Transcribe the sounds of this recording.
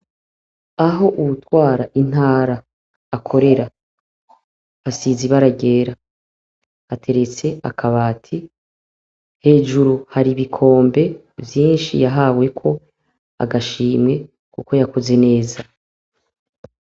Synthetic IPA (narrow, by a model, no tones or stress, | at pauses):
aɦo̞ʔuβutwaːɾaʔin̥aːɾaː | kʰo̞ɾe̞ɾa | βasiziβaɾaɟe̞ːɾa | atʰe̞ɾe̞t͡se̞a̰kʰaβaːtʰi | he̞ːʒuɾuhaɾiβikʰo̞ːmbe̞ | vjiːnʃḭjaɦaːwe̞kʰo̞ | a̰ɡaʃiːmŋe̞ | kuko̞jakoze̞ne̞ːza